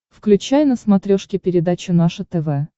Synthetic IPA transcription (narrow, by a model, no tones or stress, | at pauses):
fklʲʉt͡ɕæjnəsmɐt̪ɾʲoʂkʲɪpʲɪɾʲɪd̪at͡ɕʊnaʂɨt̪ɛvɛ